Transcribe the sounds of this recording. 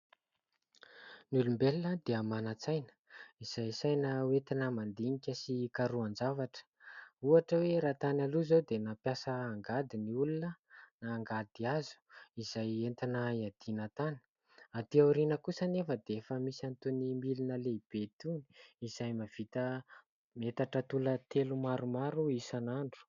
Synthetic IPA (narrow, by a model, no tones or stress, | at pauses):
nulumbelnəd̪eamanat͡sajnə̥ | iz̥ajsajnəwet̪inəmand̪iŋikʲəsikaɾuand͡zavaʈ͡ʂə̥uaʈ͡ʂəweɾat̪analuzod̪enapjasəːŋɡad̪iniulunənaːŋɡad̪̥iazu̥iz̥ajent̪anaiad̪̥inat̪anə̥ | at̪iawɾinəkusənefəd̪eefəmisant̪unimilinəleib̥et̪uni̥iz̥ajmav̥it̪ə | met̪aʈ͡ʂət̪ulət̪elumaɾumaɾuisanaɳɖ͡ʐu̥